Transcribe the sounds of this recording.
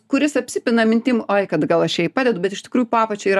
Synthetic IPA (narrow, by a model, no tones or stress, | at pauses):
kʊɾʲɪsɐpʲsʲɪpʲɪnɐmʲɪnʲt̪ʲɪmʔoːɪkɐt̪ɡɐlˠɐʃjɛɪpɑːd̪ʲɛd̪ʊbʲɛt̪ɪʃt̪ʲɪ̥kɾuːjʊʊpɑːpɐt͡ʃʲɛiːɾɐ